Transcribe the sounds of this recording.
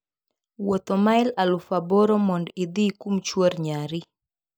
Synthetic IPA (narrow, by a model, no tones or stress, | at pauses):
wot̪omaɪlalufabɔɾɔmɔndid̪ikumt͡ʃwoɾɲaɾi